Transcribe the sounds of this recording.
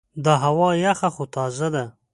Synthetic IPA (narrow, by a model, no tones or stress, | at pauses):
d̪aɦawɑjaxaxot̪ɑzad̪a